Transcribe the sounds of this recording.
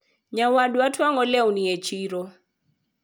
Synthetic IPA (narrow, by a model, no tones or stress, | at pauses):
ɲawadwatʰwaŋɔlɛwniet͡ʃiɾo